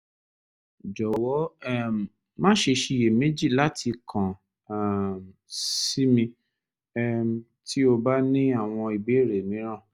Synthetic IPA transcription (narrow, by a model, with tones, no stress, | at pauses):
d͡ʒɔ˨wɔ˨˦ɛ˦m˨ | mãː˦ʃe˧ʃi˧je˨me˦d͡ʒi˦˨la˦tʰi˧kʰã˨ | msi˦mĩ˧ | ɛ˦˧m˦ | ti˦o˧ba˦nĩ˦a˦˨w̃ɔ̃˧i˨be˨˦˨ɾe˨mĩ˨˦ɾ̃ã˦˨